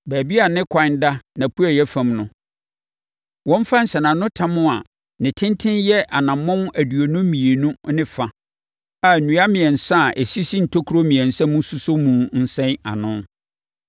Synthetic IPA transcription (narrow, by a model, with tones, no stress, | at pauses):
bæː˨bi˦a˨nɪ̃˦kʷʰã˨˦n˦da˦nã˨pʰu˦a˨jɛ˦fã˦˨mnʊ̃˦ | wɔ̃˦m˦fa˦n̩˨sɛ˨nã˨nʊ̃˦tʰã˦mʊ̃˦a˨ | nɪ̃˨tʰɪ̃˦ntʰɪ̃˦njɛ˦ʔa˨nã˨mːɔ̃˦m˦æ˨du˨o˨nʊ̃˦mĩ˨e˨nũ˦nɪ̃˦fa˨ | a˨nũ˨˦a˦mɪ̃˨ɛ˨n̩˨sã˦˨ʔe˨si˦si˦n̩˨tʰo˦kʰu˨ɾo˦mĩ˨ɛ̃˨n̩˨sɛ̃˦mũ˦su˦so˦mũ˨n̩˦sɛ̃˦na̰˨nʊ̃˦n